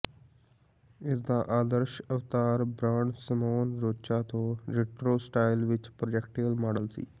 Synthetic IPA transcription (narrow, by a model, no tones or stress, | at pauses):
ɪsd̪aːʔaːd̪əɾʃəft̪aːɾbɾaːɳsəmoːnɾoːt͡ʃaːt̪õːɾeːʈɾoːsʈaːɪlʋɪt͡ʃpɾod͡ʒɛkʈiːəlmaːɖəlsḭː